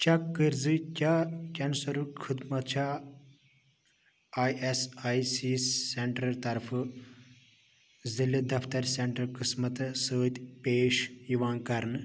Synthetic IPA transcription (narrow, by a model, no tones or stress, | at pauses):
t͡ʃɐkkːɨɾzikʲakʲɐnsɐɾukʰɨd̪mɐt͡ʃʰaː | aːjesaːjsiːeɳʈɾɐɾt̪ɐɾfʰɨ | zilid̪ɐft̪ɐɾseɳʈɾɐlkɨsmɐt̪səːt̪ʲpeːʃjiʋaːnkɐɾn